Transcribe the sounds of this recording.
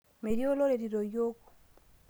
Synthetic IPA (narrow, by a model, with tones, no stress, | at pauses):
me˨ɾi˦o˦lo˦ɾe˨ɾi˨ɾo˨jo˦ko̥˨